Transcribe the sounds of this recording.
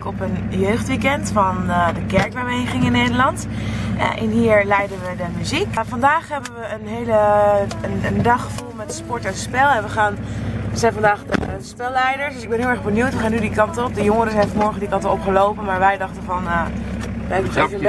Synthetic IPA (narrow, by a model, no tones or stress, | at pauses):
kɔpənjøɥχtʋikɛntfɑndəkɛɹkʋəʋejχɪŋɪnːejdəlɑnt | ʔɪ̰nɦiːɹlɛjdənʋədəmyzikfɑndaːχɦɛbənʋəənɦejləənəndɑχəvulˠmɛtspɔɹtɛnspɛlˠɛnʋəχaːnʋəzɛjnfɑndaːχdə̰spɛlˠːɛjdəɹsdɵsɪɡ̚bɛnɦɪːlˠɛɣbənjuwtʋəχaːnydikɑntɔp̚dəjoŋəɾəsɛjnfəmɔɹχəndikɑntəɔpχəlowpənmaːɹʋɛjdɑχtənvɑn | ʋəɛbəntevə